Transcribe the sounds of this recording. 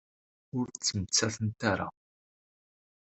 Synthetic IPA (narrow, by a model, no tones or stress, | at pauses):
ʊɾt͡sːəmət͡sːæθənt̪aɾa̰